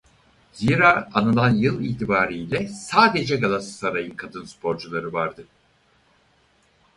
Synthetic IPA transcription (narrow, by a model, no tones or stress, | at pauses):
ziɾaːanɯlˠanjɯlˠiːt̪ʰibaːɾiːlʲɛsaːd̪ed͡ʒɛɡalˠasɯ̥saɾajɯkʰad̪ɯnspʰo̞ɾd͡ʒulˠaɾɯvaɾd̪ɯ